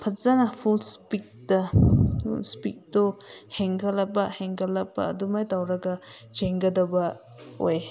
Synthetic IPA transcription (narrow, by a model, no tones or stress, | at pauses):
pʰɐtzanapʰulspik̚dɐpṵlspik̚dɔheŋɡalabaheŋɡɐlɐbɐ̰ːdumajtawɾɐɡɐd͡ʒeŋɡɐdɐbɐ | o̰j